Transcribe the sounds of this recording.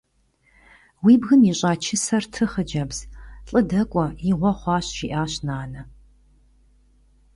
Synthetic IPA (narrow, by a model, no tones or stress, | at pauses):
wiːbɣɨmiːɕʼaːt͡ʃʰɪsɐrtʰɨχəd͡ʒɐbz̥ɬʼɨdɐkʷʼɔiʁʷɔχʷɑːɕʒiːʔaːɕnaːnɐ